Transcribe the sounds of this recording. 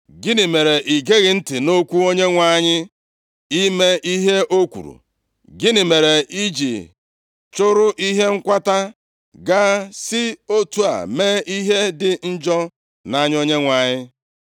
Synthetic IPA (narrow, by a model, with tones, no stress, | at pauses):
ɡɪ˦nɪ˨me˨ɾe˨ʔi˨ɡe˦ɣɪ˨n̩˦tɪ˨no˦kʷu˦o˦ɲe˦ŋʷa˦ɲɪ˦ | i˦me˦ʔi˦ɦe˦ʔo˦kʷṵ˨ɾṵ˨ | ɡɪ˦nɪ˨me˨ɾe˨ʔi˦d͡ʒḭ˨ | t͡ʃʊ˦ɾʊ˦ʔi˦ɦe˦ŋ̩˦kʷa˦ta˦ | ɡa˦sɪ˦o˦tu˨a̰˨me˦i˦ɦe˦dɪ˨n̩˦d͡ʒɔ˦ | na˦ɲ˦o˦ɲe˦ŋʷa˨ɲɪ˦